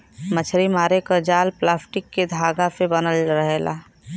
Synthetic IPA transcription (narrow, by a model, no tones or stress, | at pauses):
mət͡ʃʰɾimaːɾekəd͡ʒaːlplaːsʈɪkːed̪ʱaːɡapʰebənəlɾəɦela̰